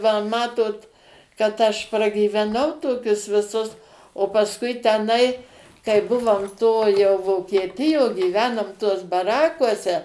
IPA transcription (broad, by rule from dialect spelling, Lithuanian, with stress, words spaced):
ʋɐ ˈmɑːtoːt kɐt ˈɐʃ prɐɡʲiːʋʲɛˈnɐʊ ˈtoːkʲʊs ʋʲɪˈsʊs oː pɐsˈkʊɪ tʲɛˈnɐɪ kɐɪ ˈbʊʋoːm ˈtoː jɛʊ ʋoːkʲiɛˈtʲɪjoː ɡʲiːˈʋʲæːnoːm tuɔs bɐˈrɑːkuɔsʲɛ